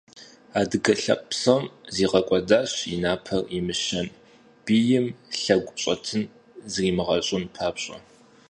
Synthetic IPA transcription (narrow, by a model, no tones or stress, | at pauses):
aːdɨɡɐɬɐ̰qʼpsɐmziːʁɐkʷʼɔdaːɕinaːpʰɐrimɨʃɐn | b̥iːjɪmɬɐɡʷʊɕʼɐtʰɨn | zriːmɨʁɐɕʼɪnpʰaːpɕʼɐ̰